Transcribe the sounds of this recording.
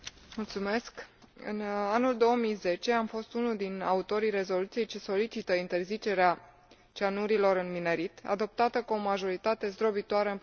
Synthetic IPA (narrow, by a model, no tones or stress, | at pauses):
mult̪sume̞skɨ̰nanuld̪o̞omijze̞t͡ʃe̞amfo̞st̪unuld̪ina̰ut̪o̞ɾijre̞zo̞lut̪sije̞jt͡ʃe̞so̞lit͡ʃit̪əint̪e̞rzit͡ʃe̞ɾea | t͡ʃanuɾilo̞ɾɨnmineɾit̪a̰d̪o̞p̚t̪at̪əkuomaʒo̞ɾit̪at̪e̞zd̪ɾobit̪oaɾəɨm